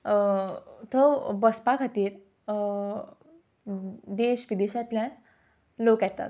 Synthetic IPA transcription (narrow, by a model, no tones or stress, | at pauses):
t̪ʰobəspakʰat̪iːɾ | d̪eɕʋid̪eɕat̪ljãn | lokjɛt̪a̰t̪